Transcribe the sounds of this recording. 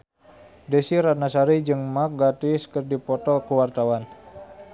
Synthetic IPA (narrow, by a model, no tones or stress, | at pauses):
desiɾanasaɾid͡ʒɨŋmak̚ɡat̪iskərdipɔt̪ɔkuwart̪awan